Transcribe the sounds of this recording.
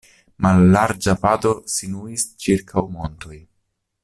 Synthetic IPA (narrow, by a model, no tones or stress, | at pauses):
malːaɾd͡ʒapat̪o̞sinuist͡ʃiɾkʰawmo̞nto̞j